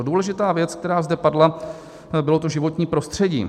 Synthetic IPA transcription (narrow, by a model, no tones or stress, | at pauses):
duːlɛʒɪt̪aːvjɛt͡sk̚t̪ɛɾaːzdɛpadla | bɪlo̞t̪oʒɪvot̪ɲiːpɾo̞st̪r̝̥ɛɟḭː